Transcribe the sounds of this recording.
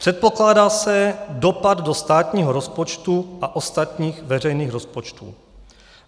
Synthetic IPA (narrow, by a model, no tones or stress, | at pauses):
pr̝̥ɛt̪̚po̞klaːdaːsɛdo̞pad̪dost̪aːt̪ɲiːɦoɾospot͡ʃt̪uʔaʔost̪at̪ɲiːxvɛrɛjniːxɾo̞spo̞t͡ʃt̪ṵː